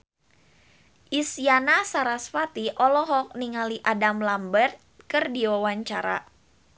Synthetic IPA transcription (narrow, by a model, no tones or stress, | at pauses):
ʔisjanasaɾasfat̪iʔɔlɔɦɔk̚niŋaliʔadamlambərt̪̚kɨrdiwawaɲt͡ʃaɾa̰